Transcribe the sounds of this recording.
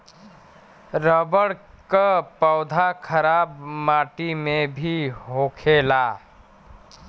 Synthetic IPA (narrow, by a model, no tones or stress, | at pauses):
ɾəbəɽkəpəʊd̪ʱakʰəɾabmaʈimebʱiɦokʰela